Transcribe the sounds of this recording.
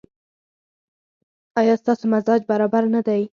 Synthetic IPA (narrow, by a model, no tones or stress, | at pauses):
ɑjɑst̪ɑsomazɑd͡ʒbaɾɑbaɾnad̪aj